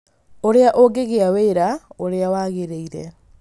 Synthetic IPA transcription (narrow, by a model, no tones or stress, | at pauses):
oɾeaʔoɡeɣeaweːɾaoɾeawaɣeɾeiɾɛ̰